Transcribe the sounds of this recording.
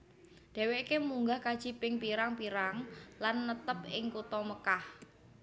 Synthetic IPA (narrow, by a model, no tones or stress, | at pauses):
d̥e̤wekemuŋɡahkad̥ʒ̥i̤pɪŋpiɾaŋpiɾaŋlanːət̪əpɪŋkut̪ɔməkah